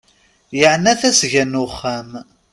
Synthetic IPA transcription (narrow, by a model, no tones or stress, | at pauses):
jəʕnːæθæsʝænːʊχːæm